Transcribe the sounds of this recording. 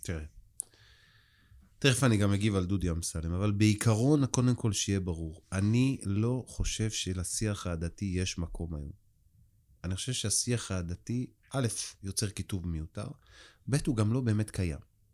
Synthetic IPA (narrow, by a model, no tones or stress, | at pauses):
t̪iʁe | t̪iʁefaniɡameɡivald̪udjamsalemavalbe̞ikʰaʁo̞nako̞de̞mko̞lʃijebaʁuʁanilo̞χo̞ʃe̞vʃelasiaχaːd̪atije̞ʃmakʰo̞ma̰jo̞̰m | aniχo̞̥ʃe̞vʃeasiaχaːd̪ati | ʔale̞fjo̞t͡se̞ʁkituvmejuta̰ʁbe̞thuɡamlo̞be̞ːme̞tkaja̰m